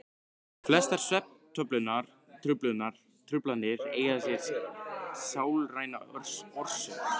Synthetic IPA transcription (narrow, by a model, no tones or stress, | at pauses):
flɛst̪aɾ̥sɛp̚nt̪ʰœplʏnaɾ̥ | t̪ʰɾʏplʏnːaɾ̥ | t̪ʰɾʏplanɪɾeːjðasjɛɾ̥ | saːwlraːjnaœɾ̥sɔr̥sʏ